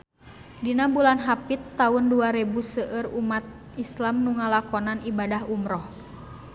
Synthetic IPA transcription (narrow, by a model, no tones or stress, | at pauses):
dinabulanɦapit̪ːaunduaɾɛbusəʔərumat̪̚ | islamnuŋalakɔnanibadaɦumɾɔh